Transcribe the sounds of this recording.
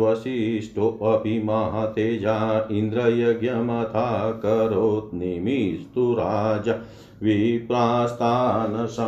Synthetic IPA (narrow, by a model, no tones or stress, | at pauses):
ʋɐsiʂʈʰoʔɐbʱimɐɦɐt̪eːd͡ʒʱaind̪ɾɐjɐɡjɐmɐt̪ʰaːkɐɾoːt̪̚nimist̪uɾaːd͡ʒa | ʋipɾaːst̪ʰaːnɐsɐ